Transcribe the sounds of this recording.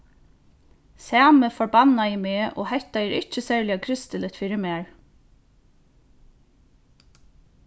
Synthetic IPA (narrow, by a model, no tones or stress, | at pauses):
sæːməfɔɹbɑnːajimeːʔɔ̰ːhɛht̪aɛːɾʔɪt͡ʃəsæːɹlɪakʰɾɪst̪ələt̪fiːɾɪmæːɹ